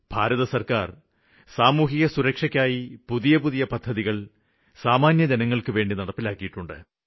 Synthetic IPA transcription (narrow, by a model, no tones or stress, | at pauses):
b̥ʱaːɾɐðɐsɐrkaːr | saːmuːɦiɣɐsuɾɐkʂɐkʲːaːjipuðijɐpuðijɐpɐd̪ʱːɐðiɣɐɭ | saːmaːnjɐd͡ʑɐnɐŋːɐɭkɨʋe̞ːɳɖinɐɽɐpːilaːkːijiʈːuɳɖɨ̰